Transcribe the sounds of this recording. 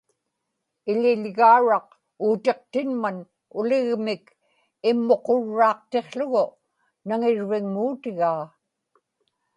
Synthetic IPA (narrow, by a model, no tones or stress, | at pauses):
ɪlɪʎɣaːɻɑq̚ | uːt̪e̞q̚t̪ɪnman | ʊlɪɣmɪk | ɪmːo̞qo̞ɻːɑːq̚t̪e̞χɬʊɣʊ | naŋɪɻvɪŋmuːt̪ɪɣaː